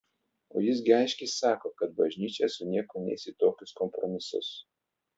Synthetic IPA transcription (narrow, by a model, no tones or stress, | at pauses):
o̰ːjɪs̬ɡʲɪɑɪʃʲkʲɛssɑːkoːkɐt̪̚bɐʒʲnʲiːt͡ʃʲɛsʊnʲiɛkoːnʲḛːsʲɪt̪oːkʲʊskɔmpɾɔmʲɪsʊ̰s